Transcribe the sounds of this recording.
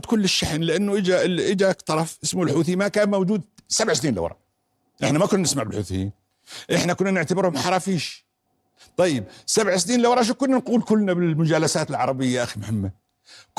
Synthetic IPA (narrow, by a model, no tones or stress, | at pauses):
d̪kʊlːɪʃːaħnlɪʔanːʊʔɪd͡ʒaʔɪd͡ʒakt̪ˤɑɾˤɑfʔɪsmulħuːθimakaːnmawd͡ʒuːd̪̚sabʕsniːnlʔa̰w̰ɾˤɑ̰ | ʔɪħnamakʊnːnɪsmaʕbɪlħuːθɪjiːn | ʔɪħnakʊnːanɪʕt̪abɪɾhʊmħɑɾˤɑfiːʃ | t̪ˤɑjːɪb̚sabʕsniːnlawɾˤɑʔʃ̬ukʊnːanquːlkʊlːnabɪlmʊd͡ʒaːlasaːt̪ɪlʕɑɾˤɑbɪjːaʔaximʊhamːa | k